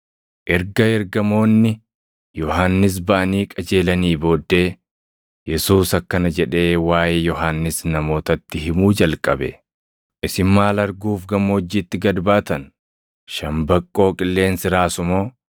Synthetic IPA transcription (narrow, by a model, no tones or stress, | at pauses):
ʔɛɾɡɐɛɾɡɐmo̞ːnːɪ | jɔɦanːɪs̬bɐʔɐniːkʼɐd͡ʒe̞ːlɐniːbo̞ːd̪ːe̞ː | jɛsuːsɐkːɐnɐd͡ʒɛᶑe̞ːwaːjeːjɔɦanːɪsnɐmo̞ːt̪ɐt̪ːɪhɪmuːd͡ʒɐlkʼɐbɛ̰ | ʔɪsɪmːaːlɐɾɡuːfɡɐmːoːd͡ʒːiːt̪ːɪɡɐd̪baːt̪ɐn | ʃɐmbɐkʼːo̞ːkʼɪlːe̞ːnsɪɾaːsʊmo̞ː